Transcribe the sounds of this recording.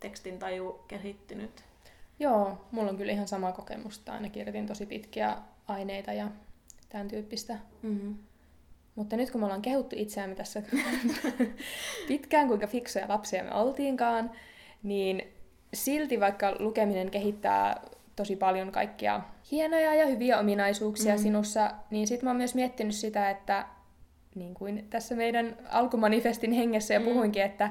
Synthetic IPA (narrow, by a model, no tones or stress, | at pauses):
t̪ekst̪int̪ɑjukeɦit̪ːynyt̪ | joːmulːoŋkylihɑnsɑmɑkokḛmust̪ɑɑ̰inɑkirjot̪int̪osipit̪kiæ̰ɑineit̪ɑjɑt̪ænt̪yːpːist̪æ | mut̪ːɑnyt̪kumolːɑːŋkehut̪ːuʔit̪seæmːet̪æsːæ | pit̪kæːŋkuiŋkɑfiksojɑ̰lɑpsiɑmø̰olt̪iːŋkɑːn | niːn | silt̪iʋɑikːɑlukemineŋkeɦit̪ːæ̰ː | t̪osipɑljoŋkɑ̰ikːiɑ̰hienojɑjɑhyʋiæominɑisuːksiɑsinusːɑniːnsit̪moːmyøsmiet̪ːinyssit̪æet̪ːæ | niːŋkuint̪æsːæmeidænɑ̰lkumɑnifest̪inheŋːesːæjɑpuhuiŋkiet̪ːæ